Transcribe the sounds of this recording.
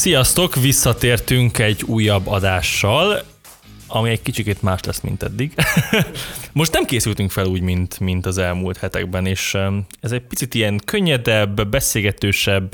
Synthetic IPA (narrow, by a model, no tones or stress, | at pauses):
sijɒst̪o̞kʋisːɒt̪eːrt̪yŋkɛɟːuːjːɒbːɒd̪aːʃːɒl | ɒmiɛɟkit͡ʃikeːt̪maːʃlɛ̰smḭnt̪ɛ̰d̪ːiɡ | mo̞ʃt̪nɛmkeːsylt̪yŋkfɛluːɟmint̪mint̪ɒzɛlmuːlt̪hɛt̪ɛ̰ɡ̚bɛneːʃɛzɛɟ̚pit̪sit̪ijɛŋkø̞ɲːɛd̪ɛbːɛseːlɡɛt̪øːʃɛbː